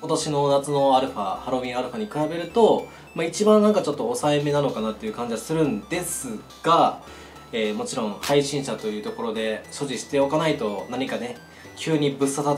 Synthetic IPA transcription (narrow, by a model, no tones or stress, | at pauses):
ot̪aɕino̞nat͡sɨno̞aɾɯ̟ɸahaɾo̞mʲĩaɾɯ̟ɸaɲ̟ikɯ̟ɾabe̞ɾɯ̟t̪o̞ | mait͡ɕibãnːãŋkat͡ɕo̞t̪ːo̞ːsaeme̞nano̞kanat̪ːejɯ̟kãɲ̟d͡ʑiasɨɾɯ̟̃nd̪e̞sɨ | ɡ̥a | eːmo̞t͡ɕiɾõ̞ŋhaiɕĩɰ̃ɕat̪o̞jɯ̟ːt̪oko̞ɾo̞d̪e̞ɕo̞ʑiɕi̥t̪e̞o̞kanait̪o̞naɲ̟ikane̞ | kʲʰɨːɲ̟ibɯ̟sːat̪a